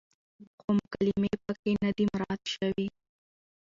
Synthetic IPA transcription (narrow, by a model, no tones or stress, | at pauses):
xomʊkalɪmepəkenad̪imɾɑt̪ʃawi